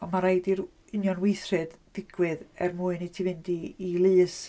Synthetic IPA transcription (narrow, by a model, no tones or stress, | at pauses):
ɔmaɾajdir | ɪnjɔnwɪjθrɛdðɪɡ̥wɪðɛrmuːɨnitʰivɪndiilˠɨːs